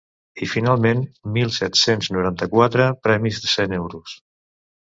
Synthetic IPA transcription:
ifinalˠmenmːilˠsɛt̪senznuɾant̪əkwat̪ɾəpɾɛmizðəsenewɾus

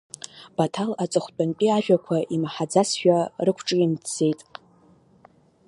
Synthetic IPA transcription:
b̥atʰalat͡sʼɨχʷt͡pʼanpʼiaʒᶣakʷʰaʔimaħad͡zasʃᶣarɨkʷʰʈ͡ʂʼɨinʰd͡ze̞jtʼ

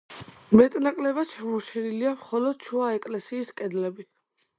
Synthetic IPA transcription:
mɛt̪ʼnakʼlɛbat͡ʃʰamɔɾt͡ʃʰɛniliamχɔlɔd̪̥̚t͡ʃʰuaɛkʼlɛsiːskʼɛd̪lɛbi

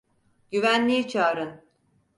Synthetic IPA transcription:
ɟ̥yvænlʲijit͡ʃʰaːɾɯn

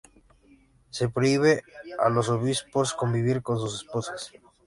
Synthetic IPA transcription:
se̞pɾoiβea̰lo̞s̬oβisposko̞mbiβiɾko̞ns̬us̬esposḁs

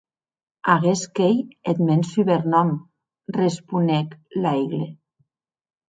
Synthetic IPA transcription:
aɣeskejet̪mensyβeɾnɔm | respuneklajɣle

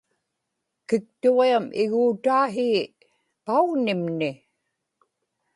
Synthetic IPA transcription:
kɪk̚t̪uʁiamʔɪɣuːt̪aːɦiː | pauɣnɪmnɪ

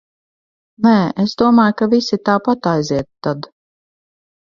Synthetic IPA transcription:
nɛːesd̪uɔmaːjkavisʲit̪aːpat̪ajziɛt̪ːad̪

